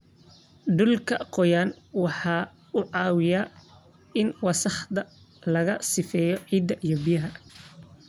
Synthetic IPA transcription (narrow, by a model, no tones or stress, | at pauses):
ɖʊlkʰɐqɔjaːn | wɑħɑː | ʊʕɑːwɪja | ɪnwɑsɑħd̪ɐ | lɐɣɐsɪfɛːjɔʕiːd̪ːɐʔijɔbijɐɦɐ